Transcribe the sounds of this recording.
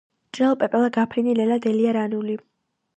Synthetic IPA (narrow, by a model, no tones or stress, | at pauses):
t͡ʃʼɛlˠpʼɛpʼɛlˠaɡapʰɾinilɛlad̪ɛliaɾanuli